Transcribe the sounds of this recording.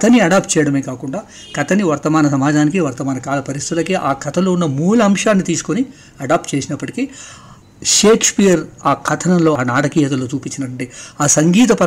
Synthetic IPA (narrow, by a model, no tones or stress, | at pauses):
ɐt̪ɐniɐɖaːp̚ʈ̚t͡ʃɛjɐɽɐmeːkaːkuɳɖaː | kɐt̪ɐniʋɐɾt̪ɐmaːnɐs̬ɐmaːd͡ʒaːnikiʋɐɾt̪ɐmaːnɐkaːlɐpɐɾist̪it̪ulɐkiʔaːkʰɐt̪ʰɐlo̞unːɐmuːluɐmʂaːnːit̪iːsu̥koni | ɐɖaːp̚ʈt͡ʃe̞ːsinɐpːɐʈi̥kiː | ʂe̞ːkʰspiːjɐɾaːkʰɐt̪ʰɐnɐmlo̞ːnaːʈɐkiːɦɐt̪ɐlo̞ːt͡ʃuːpit͡ʃːinɐʈɐɳʈeːaːsɐŋɡiːt̪̬ɐpɐ